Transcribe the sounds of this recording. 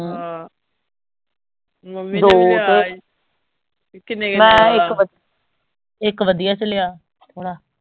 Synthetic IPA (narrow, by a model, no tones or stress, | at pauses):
d̪oːt̪eː | mɛ̃ːɪkʋə | ɪkʋəd̪ijaːt͡ʃəlejaː | t̪ʰoːɽaː